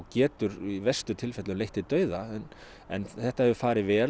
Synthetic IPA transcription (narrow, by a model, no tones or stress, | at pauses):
cɛːt̪ʏɾivɛst̪ʏt̪ʰɪlfɛt̪lʏmlejht̪ɪt̪œːɥðaɛn | ɛ̰nθɛht̪ahɛvʏfaːɾɪvɛː